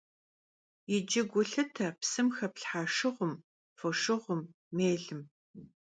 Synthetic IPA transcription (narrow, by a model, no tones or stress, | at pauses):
jɪd͡ʒɪɡʷʊɬɨtʰɐpsɨmxɐpɬħaːʂɨʁʷʊm | foʂɨʁʷʊmː | eːɮɨm